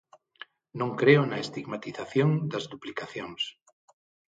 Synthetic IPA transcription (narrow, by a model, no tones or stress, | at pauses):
nõŋkɾeʊnɐest̪iɣmat̪iθaθjõŋd̪ɐzðuplikaθjõŋs